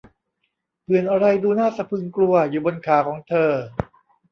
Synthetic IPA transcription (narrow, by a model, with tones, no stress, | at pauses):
pʰɯ˨˩ənʔa˧ɾa˧jduː˧naː˥˩sa˧˩pʰɯː˧ŋklu˧ɐjuː˨˩bo˧nkʰaː˩˦kʰɔː˩˦ŋt̪ʰɤː˧